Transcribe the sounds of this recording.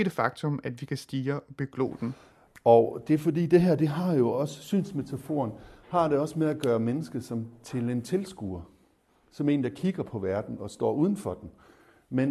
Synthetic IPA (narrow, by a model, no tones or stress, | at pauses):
eɾ̥əfɑ̈ɡ̥̚t͡sʰɔ̽mæd̥ʋikʰæsd̥iːɐɒ̽b̥e̝ɡ̥lo̰ːd̥n̩ | ɒ̽d̥e̝æɐfɒ̽d̥ḭːd̥e̝ɦæɐ̰d̥e̝ɦɑ̈jo̝ɒ̽sə̥sy̰ːnsme̝t͡sʰæfo̝̰ːɐnhɑ̈ɾ̥e̝ɒ̽səmeæɡ̥ɶːɐmenəsɡ̥ðˠsɒ̽mt͡sʰe̝le̝nt͡sʰe̝lsɡ̥uːɐ | sɒ̽me̝̰ːnd̥ɑ̈kʰiɡ̥ɐpʰɒ̽ʋæɐd̥n̩ɒ̽sd̥ɒ̰ːuð̞ˠn̩fɒ̽d̥en̩ | men